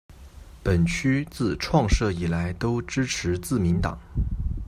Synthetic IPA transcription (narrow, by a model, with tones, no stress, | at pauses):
pə˨˩nt͡ɕʰy˥t͡sɹ̩˥˩ʈ͡ʂʰwɑ˥˧ŋʂɤ˥˩i˨˩la˧˥ɪt̪o˥ʊʈ͡ʂɻ̩˥ʈ͡ʂʰɻ̩˧˥t͡sɹ̩˥˩mi˧˥nt̪ɑ̰˨˩˦ŋ